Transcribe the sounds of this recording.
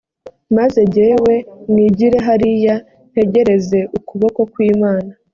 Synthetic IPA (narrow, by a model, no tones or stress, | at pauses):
maze̞ɟeːwe̞ŋiːɟiɾe̞ɦaɾija | n̥he̞ɟe̞ɾe̞ze̞ʔukuβo̞ko̞kwiːmaːna